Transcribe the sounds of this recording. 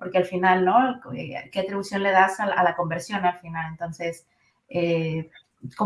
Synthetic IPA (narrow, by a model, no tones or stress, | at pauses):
po̞ɾke̞alfinalno̞kḛkeat̪ɾiβusjo̞nle̞ðasala̰lako̞mbe̞ɾsjo̞nalfinale̞nt̪o̞nse̞s | e | ko